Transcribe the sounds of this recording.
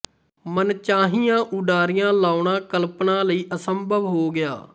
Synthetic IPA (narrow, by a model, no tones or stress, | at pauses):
mənt͡ʃaːɦiːãːʔʊɖaːɾɪjãːlaːʊɳãːkəlpnaːləiːʔəsəmbʱəʋɦoːɡɪja̰ː